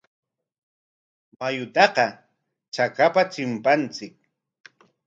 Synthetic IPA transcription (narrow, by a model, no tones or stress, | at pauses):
majʊt̪ɑqɑ | t͡ʃakapat͡ʃɪmpant͡sɪk̚